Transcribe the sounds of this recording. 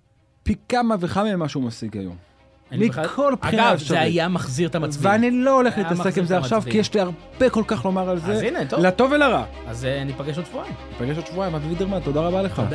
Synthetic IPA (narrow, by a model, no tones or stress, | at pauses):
pikamaveχamemaʃeumasiɡa̰jo̞̰m | mːikkʰo̞lpinaefʃaeajamɐχziʁt̪amaveanilo̞ole̞χlit̪ase̞kimzeaχʃavkijeʃliaʁbe̞ko̞lkaχlo̞maʁalzeinet̪lat̪o̞velaʁa | azanipaɡeʃodʃvuajmnipaɡeʃodʃvuajmavvid̪eʁmat̪o̞d̪aʁabale̞χa̰